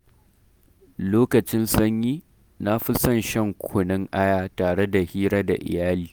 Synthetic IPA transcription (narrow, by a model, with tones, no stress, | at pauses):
loː˦kɐ˨t͡ʃɪ˦nsɐ˦ɲjiː˦ | na˦ɸɪ˦sɐ˦˨nʃɛ˦ŋkʷʰʊ˨nɪ˦ŋʔa˦jaː˦taː˨ɽe˦da˨hiː˦ɽɐ˦da̰˨ʔɪ̰˨jaː˦liː˨